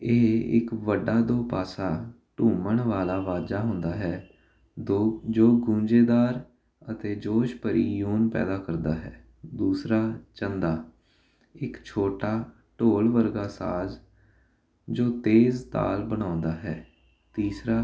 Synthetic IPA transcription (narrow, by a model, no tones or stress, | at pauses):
ɪɦɪ̰kʋəɖːaːd̪oːpaːsaː | ʈũːməɳʋaːlaːʋaːd͡ʒaːɦʊ̃nd̪aːɦɛː | od͡ʒoːɡũːɲd͡ʒeːd̪aːɾ | ət̪eːd͡ʒoːʃpəɾiːjuːnpɛ̰ːd̪aːkəɾd̪aːɦɛ̰ː | d̪uːsɾaːt͡ʃənd̪aː | ɪkt͡ʃʰoːʈaː | ʈoːlʋəɾɡaːsa̰ːz | d͡ʒoːt̪eːzt̪a̰ːlbəñãːʊnd̪aːɦɛː | t̪iːsɾaː